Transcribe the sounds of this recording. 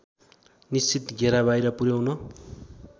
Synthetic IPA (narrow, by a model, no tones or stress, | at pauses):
nist͡sit̪ɡʱeɾabajɾʌpuɾjawnʌ